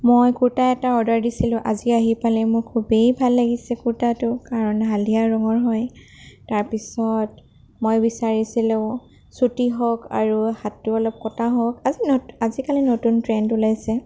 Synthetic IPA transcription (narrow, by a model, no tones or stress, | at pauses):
mojkuɹtaɛtaɔdaɹdisilʊ̃ʔaziaɦipalɛmʊɹkʰubejbʱalːaɡisɛkuɹtatʊkaɹɔnɦaliaɹɔŋɔɹɦɔj | taɹpisɔt | mojbisaɹisilʊ̃ʊ̃ | sutiɦɔka̰ɹuhatːiɔlɔp̚kɔtʰaɦɔkaziazikalinotuntɹɛntulajsɛ